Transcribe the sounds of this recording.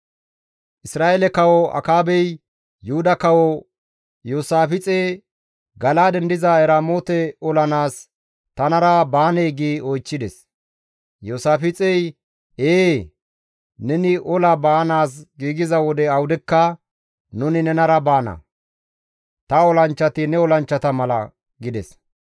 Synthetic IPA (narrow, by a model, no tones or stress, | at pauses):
ʔɪsɾaːelɛkɐwɔɐ̰kaːbɛj | jʊhʊd̪ɐkɐwɔ | joːsaːfɪt͡sʼe | ɡɐlaːd̪ɛnd̪ɪzɐɛɾaːmoːt̪ɛɔlɐnaːs | t̪ɐnɐɾɐbaːnɛjɡiːɔjt͡ʃːɪd̪ɛs | joːsaːfɪt͡sʼɛj | eː | nɛnɪʔɔlɐbaːnaːs̬ɡiːɡɪzɐwɔd̪ɛɐwʊd̪ɛkːɐ | nʊnɪnɛnɐɾɐbaːnɐ̰ | t̪ɐɔlɐnt͡ʃːɐt̪ɪnɛɔlɐnt͡ʃːɐt̪ɐmɐlɐ̰ | ɡɪd̪ɛs